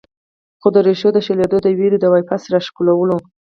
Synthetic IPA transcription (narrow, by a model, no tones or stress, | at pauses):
xod̪əɾeʃod̪əʃeled̪od̪əwiɾid̪awajpasɾɑʃkulawəlo